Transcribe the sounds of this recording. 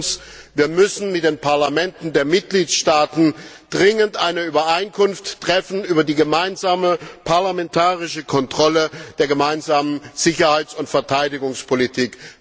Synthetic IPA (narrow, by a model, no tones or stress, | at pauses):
sviːɐmʏsn̩mɪt̚d̥eːnpʰaɐlamɛntn̩deːɐmɪt̚ɡ̥liːtʃtaːtn̩ | d̥ʁɪŋəntʔaɪnəyːbɐʔaɪnkʰʊnftːʁ̥ɛfn̩yːbɐdiːɡəmaɪnzaːməpʰaɐlamɛntʰaːʁɪʃəkʰɔntʁ̥ɔləd̥eːɐɡəmaɪnzaːmənz̥ɪçɐhaɪt͡sʊntfɛɐtʰaɪdɪɡʊŋspʰolitʰiːk